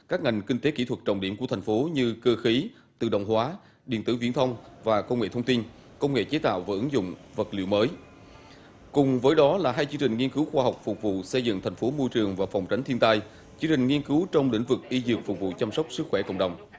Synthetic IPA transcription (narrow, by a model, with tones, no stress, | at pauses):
kaː˦˥k̚ŋa˨˩jŋ̟kï˧ŋ̟t̪e˨˦ki˧˩t̪ʰwə˨˩t̚t͡ɕə̰˧˩wŋ͡mɗḭ˧˩əmkət̪ʰa˨˩ŋ̟fo˨˦ɲɨ˧kəː˧xi˨˦ | t̪ɨ̰˧˨ɗə̰˧˨wŋ͡mhwaː˨˦ | ɗḭ˧˨ənt̪ɨ̰˧˩vi˧ənt̪ʰə˧wŋ͡mvaː˨˩kə˧wŋ͡mŋḛ˧˨t̪ʰə˧ŋ͡mt̪i˧n | kə˧wŋ͡mŋḛ˧˨t͡ɕe˨˦t̪a̰ː˧˨wvəː˧˩ʔɨ˨˦ŋzʊ̰˧˨ŋ͡mvə˨˩t̚lḭ˧əwməː˨˦j | kʊ˨˩ŋ͡mvəː˨˦jɗɔ˨˦laː˨˩ɦaː˧jt͡ɕɨ˧ŋt͡ɕï˨˩ŋ̟ŋi˧ənkɨ˨˦wxwaː˧ɦa˨˩wk͡p̚fʊ˨˩k͡p̚vṵ˧˨sə˧jzɨ̰˧˨ŋt̪ʰa˨˩ŋ̟fo˨˦mo˧jt͡ɕɨ˨˩əŋvaː˨˩fɔ˨˩wŋ͡mt͡ɕa˨˦ŋ̟t̪ʰi˧ənt̪aː˧j | t͡ɕɨ˧əŋt͡ɕï̟˨˩ŋi˧ənkɨ˨˦wt͡ɕɔ˧wŋ͡mlḭ̈˧˥ŋ̟vɨ˨˩k̚ʔi˧zɨ˨˩ək̚fʊ˨˩k͡p̚vṵ˧˨t͡ɕa˧msɔ˦˥k͡p̚sɨ˦˥k̚xwɛ˧˩kə̰˧˨ŋ͡mɗə˨˩wŋ͡m